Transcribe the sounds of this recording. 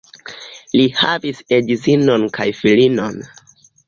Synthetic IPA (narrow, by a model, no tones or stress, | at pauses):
lihavisedizino̞nkajfilinon